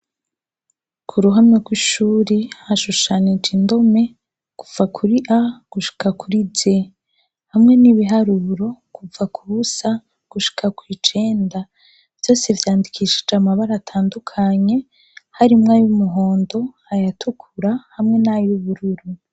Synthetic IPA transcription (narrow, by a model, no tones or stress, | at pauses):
kʰuɾuɦamŋeɡwiʃuːɾihaʃuʃanid͡ʒindo̞me̞ | ɡ̥uvakʰuɾiʔaɡ̥uʃi̥kakʰuɾize | hamŋe̞niβiɦaɾuɾo̞kuvakʰuβusa | ɡ̥uʃi̥kʰakwiːt͡ʃe̞ːnda | v̥jo̞ːse̞vjaːndikʰiʃid͡ʒamaβaɾaːtʰaːndukʰaɲe̞ | haɾimŋajumuɦo̞ːndo̞ | ajatʰukʰuɾahamŋe̞najuβuɾuɾu